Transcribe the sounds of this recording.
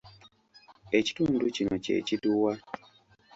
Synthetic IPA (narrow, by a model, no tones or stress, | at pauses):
eci̥tunducimacḛt͡ʃiduwa